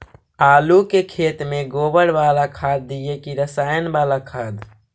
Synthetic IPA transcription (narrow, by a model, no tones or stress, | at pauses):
aːlukekʰeːt̪mẽɡoːbəɽʋaːlakʰaːd̪̚ːijekiɾəsaːjənbaːlakʰaːd̪